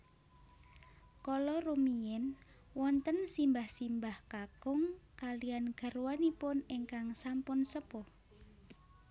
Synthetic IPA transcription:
kɔlɔrumiɪn | wɔnt̪ənsimbahsimbahkakʊŋkalianɡ̥a̤rwanipʊniŋkaŋsampʊnsəpʊ

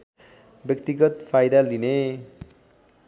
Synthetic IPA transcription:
bjʌkt̪iɡʌt̪pʰajd̪aline

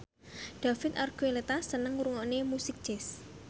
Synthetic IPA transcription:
ɖ̪̥a̤fɪt̪arɡ̥uelet̪asənəŋɾuŋɔnemusɪk̚d͡ʒ̥ɛs

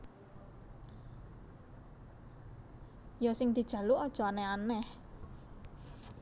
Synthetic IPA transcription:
jɔsɪŋd̪̥i̤d̥ʒ̥ä̤luɔd̥ʒ̥ɔ̤anɛhanɛh

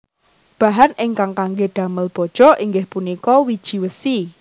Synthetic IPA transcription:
b̥a̤ɦanʔɪŋkaŋkaŋɡeɖ̪̥a̤məlb̥ɔ̤d̥ʒ̥ɔ̤ʔiŋɡɪhpunikɔwid̥ʒ̥i̤wəsi

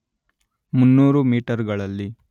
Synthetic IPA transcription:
munːuːɾumiːʈɐɾɡɐɭɐlːi

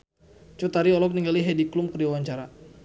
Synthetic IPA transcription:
t͡ʃut̪aɾiɔlɔk̚niŋɡaliɦɛdiklumkərdiwawaɲt͡ʃaɾa

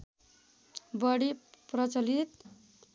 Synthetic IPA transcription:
bʌɽiprʌt͡sʌlit̪

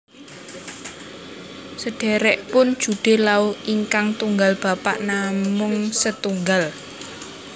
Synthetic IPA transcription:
səɖ̥ɛɾɛʔpʊnd̥d͡ʒ̥ṳɖ̥e̤lauiŋkaŋt̪uŋɡalb̥a̤pa̰ʔnamʊŋsət̪uŋɡal

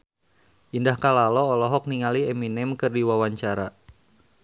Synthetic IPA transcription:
ʔindahkalalɔːlɔɦɔk̚niŋalieminɛmkɨrdiwawaɲt͡ʃaɾa̰

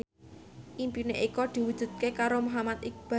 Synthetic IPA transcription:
ʔimpineʔikɔd̪̥i̤wud̥ʒ̥ṳd̪̚kekaɾomoɦamat̪ɪk̚b̥a

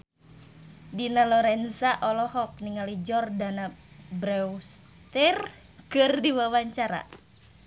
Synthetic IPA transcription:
dinalɔɾɛnsaʔɔlɔhɔk̚niŋalid͡ʒɔrdanabɾɛws | t̪ir | kɨrdiwawaɲt͡ʃaɾa̰

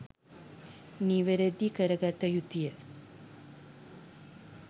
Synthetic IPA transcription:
niʋeɾed̪ikəɾɐɡat̪ːɐjut̪ːijə

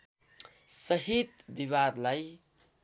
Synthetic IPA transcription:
sʌɦit̪biβad̪laj

